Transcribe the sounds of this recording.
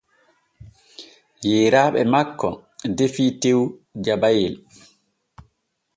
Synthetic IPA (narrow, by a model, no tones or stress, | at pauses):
jɛːɾaːɓɛmakːɔdefiːtewd͡ʒabajil